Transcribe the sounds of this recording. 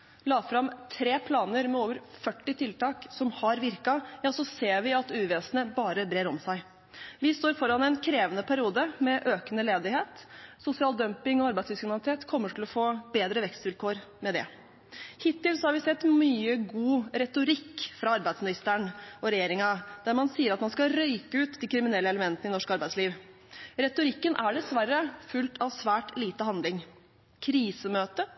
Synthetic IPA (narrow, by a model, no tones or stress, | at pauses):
lɑːfɾɑmt̪ʰɾeːpʰlɑːnəɾmɛoːʋəɾfœʈːɪt̪ʰɪlt̪ɑːksɔmhɑɾʋɪɾkɑjɑːsɔseːɾʋɪɑt̪ʉːʋeːsənəbɑːɾəbɾeːɾɔmsæɪ | ʋɪst̪oːɾfɔɾɑnɛnkʰɾeːʋənəpʰæɾɪuːd̪əmɛʔøːkənəleːd̪ɪheːt̪sʊsɪɑːld̪œmpɪŋɔɑɾbæɪsd̪ʏskɾɪmnlɪt̪ʰeːt̪kʰɔmːəʈʰɪlɔfoːbeːd̪ɾəʋɛkst̪ʋɪlkʰoːɾmɛd̪ɛ̰ | hɪt̪ːɪlsɔhɑɾʋɪsɛt̪ːmyːəɡuːɾɛt̪ʊɾɪkːfɾɑɑɾbæɪsmɪnɪst̪əɳɔɾɛjeːɾɪŋɑd̪æɾmɑnsiːəɾɑt̪mɑnskɑɾœʏkəʉːt̪d̪ikʰɾɪmɪnɛlːəɛləmɛnt̪nɪnɔʂkɑɾbæɪd̪sliːʋ | ɾɛt̪ʊɾɪkːənʔæɖɛsʋærːəfʉlt̪ʰɑʋsʋæːʈliːt̪əhɑnd̪lɪŋ | kʰɾiːsəmøːt̪ə